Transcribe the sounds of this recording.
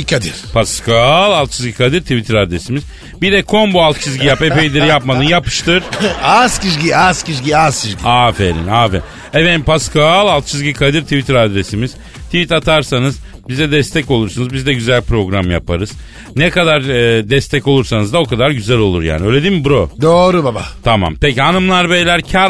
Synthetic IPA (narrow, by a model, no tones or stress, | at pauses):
kʰad̪iɾ̥pʰaskʰalˠalˠt̪t͡ʃʰizɡɟikʰad̪ɯɾt̪ʰivit̪ʰiɾad̪ɾesimiz | bid̪ɛkʰo̞nbualˠt̪t͡ʃʰizʲɟijapepejd̪ʲiɾijapmad̪ɯnjapɯ̥ʃt̪ɯɾ̥ascizɡiasciʃɟiasciziafeɾḭnaːfen | eved̪impaskalˠalt̪t͡ʃʰizɟikʰad̪iɾt̪ʰivit̪ʰɾad̪ɾesimiz̥ | t̪ʰivit̪at̪ʰaɾsanɯz | bizd̪ɛd̪ɛst̪ʰɛco̞lˠuɾsunuzbizd̪ɛɟyzælʲpɾo̞ɡɾamja̰pʰaɾɯz̥ | nɛkad̪aɾːd̪ɛst̪ʰɛco̞lˠuɾsanɯzd̪ao̞kʰad̪aɾɟyzælʲo̞lˠuɾja̰ːniø̞jlʲe̞d̪inmibuɾod̪oːɾubabat̪ʰama̰mpecanɯmlˠaɾbejlʲæɾcʰaɾ